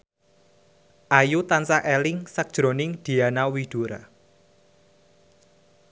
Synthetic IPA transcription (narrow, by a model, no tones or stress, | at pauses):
ʔajut̪ansaʔelɪŋsak̚d̥ʒ̥ɾo̤nɪŋd̪̥i̤anawid̪̥uɾa̰